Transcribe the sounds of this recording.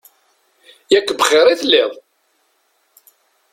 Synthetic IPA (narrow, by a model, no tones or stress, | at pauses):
jækʷːbəχɪɾˤiθlːɪðˤ